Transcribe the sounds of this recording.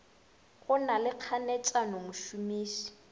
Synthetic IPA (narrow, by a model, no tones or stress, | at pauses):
ɣʊnalɪq͡χʰanɛt͡ʃʼanomʊʃumiːʃi̥